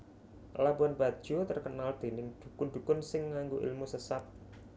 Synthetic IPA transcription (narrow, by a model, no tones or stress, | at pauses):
labanbad̥ʒ̥ot̪ərkənald̪̥e̤nɪŋd̪̥ukʊnd̪̥ṳkʊnsɪŋːaŋɡoʔḭlmusəsat̪̚